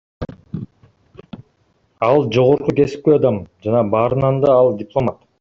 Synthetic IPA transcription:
ɑlˠd͡ʒo̞ʁo̞ɾquke̞si̥p̚keɑd̪ɑmd͡ʒɑnɑbɑːɾɯnɑnd̪ɑɑlˠdʲɪplˠo̞mat̪

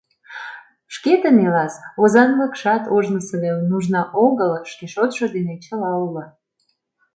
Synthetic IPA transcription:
ʃket̪enelɑsozɑnləkʃɑt̪oʒnəsəlenuʒnɑʔoɣəlʃkeʃot̪ʃod̪enet͡ɕəlɑulə

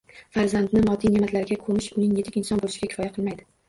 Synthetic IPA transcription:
faɾzand̪nɪmɒt̪ʰijnemat̪ʰlaɾɪɡʲakʰomɪʃʊnɪŋje̞t̪ɪkʲɪnsɒnbolˠɪʃɪɡʲakʲʰɪ̥fɒjaqʰɨlˠmajd̪ɪ

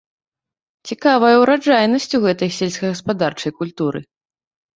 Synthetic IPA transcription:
t͡sʲikavɐjɐwɾad͡ʐajnɐsʲt͡sʲuɣɛt̪ɐjsʲɛlʲsʲkɐɣɐspad̪art͡ʂɐjkulʲt̪uɾɨ̰

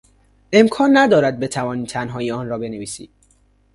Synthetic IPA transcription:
e̞mkʰɒːnːæd̪ɒːɾæd̪̚be̞t̪ʰævɒːniːt̪ʰænɦɒːjiɒːnrɒːbe̞neviːsḭːd̪̥

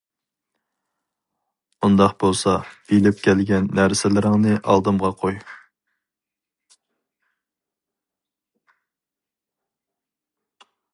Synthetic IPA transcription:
und̪ɑχbolˠsɑbilɪp̚kʲʰɛlɡʲɛnːæɾsɪlɪɾɪŋnɨʔɑ̰lˠd̪ɨmʁɑqʰoj

